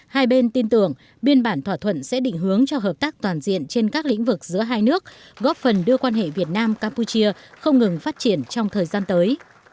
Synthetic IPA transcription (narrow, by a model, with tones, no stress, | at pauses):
haː˧jɓe˧nt̪i˧nt̪ɨ˧˩əŋ | ɓi˧ənɓaː˧˩nt̪ʰwaː˧˩t̪ʰwə̰˧˨nsɛ̰˧˥ɗḭ˧˨ŋ̟ɦɨ˨˦əŋt͡ɕɔ˧ɦəː˨˩p̚t̪aː˦˥k̚t̪waː˨˩nzḭ˧˨ənt͡ɕe˧nkaː˦˥k̚lḭ˧˥ŋ̟vɨ˨˩k̚zɨ̰˧˥əɦaː˧jnɨ˦˥ək̚ | ɣɔ˦˥p̚fə˨˩nɗɨ˧əkwaː˧nɦḛ˧˨vi˨˩ət̚naː˧mkaː˧mpu˧t͡ɕi˧əxə˧wŋ͡mŋɨ˨˩ŋfaː˦˥t̚t͡ɕi˧˩ənt͡ɕɔ˧wŋ͡mt̪ʰəː˨˩jzaː˧nt̪əː˨˦j